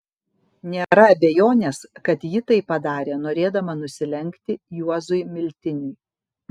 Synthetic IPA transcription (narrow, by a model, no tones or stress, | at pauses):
nʲeːɾɐɐbʲejoːnʲeːskɐt̪jɪt̪ɐɪpːɐd̪ɑːɾʲeːnoːɾʲeːd̪ɐmɐnʊsʲɪlʲɛŋʲkt̪ʲɪjuɔzʊjmʲɪlʲt̪ʲɪnʲuɪ